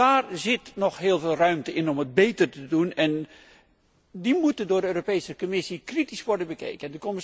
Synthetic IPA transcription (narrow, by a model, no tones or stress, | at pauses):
aːrzɪtnɔxɦɪːlˠveːlˠrœɥmtəɪnɔməd̚bejtərtədunɛn | dimutəndʊːɹdəøːropejsəkomɪsikritisʋɔɹdənbəkḛjkəndəkɔmɪ